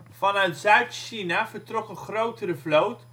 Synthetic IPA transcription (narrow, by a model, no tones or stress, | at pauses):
vɑnœɥtzœɥtʃinavəɹtrɔkənχrowtəɾəvlowt